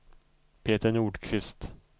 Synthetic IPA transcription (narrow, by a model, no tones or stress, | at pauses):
pʰeːt̪əɳuːɖkʰvɪst̪